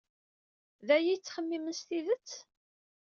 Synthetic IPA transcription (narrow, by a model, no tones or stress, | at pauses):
ðæjijt͡sːχəmːiməst̪iðət͡sː